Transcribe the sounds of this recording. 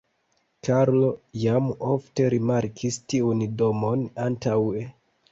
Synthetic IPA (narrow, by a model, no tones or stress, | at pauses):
kaɾlo̞jamofte̞ɾimaɾkʰistiundomo̞nantawe